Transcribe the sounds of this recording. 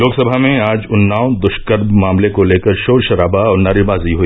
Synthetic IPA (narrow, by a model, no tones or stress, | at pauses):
loːksɐbʱamẽaːd͡ʒʊnːaːʊnd̪ʊʃkəɾbmaːmlekoleːkəɾʃoːɾʃɐɾaːbaɔːɾnaːɾibaːziɦoiː